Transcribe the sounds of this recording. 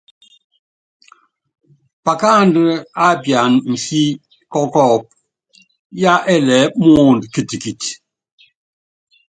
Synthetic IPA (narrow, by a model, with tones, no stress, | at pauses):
pa˨ka˦ndə˦a˦˨bja˨nn̩˨si˦ | kɔ˦kɔ˦˨p̚ | ja˦ʔɛ˦˨lɛ˨˦mɔɔ˦˨ndki˦˨ti˨ki˨t